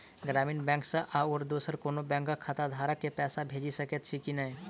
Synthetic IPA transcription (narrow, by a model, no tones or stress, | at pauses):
ɡɾaːmiːnbɛ̃ːŋksẽʔaʊːɾd̪uːsəɾkoːnobɛ̃ːŋkakʰːat̪ad̪ʱaːɾəkːepɛːsabʱeːd͡ʒisɐkət̪t͡ʃʰikinɐĩ